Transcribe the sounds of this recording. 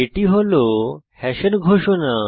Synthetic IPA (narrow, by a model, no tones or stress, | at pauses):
eʈiɦolohɛɕənɡʱoɕona